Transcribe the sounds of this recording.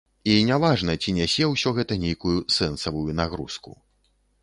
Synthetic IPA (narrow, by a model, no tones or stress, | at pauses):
inʲavaʐnɐt͡sʲinʲɛsʲɛwsʲɔɣɛt̪ɐnʲejkujusɛnsɐvujunaɣɾuskṵ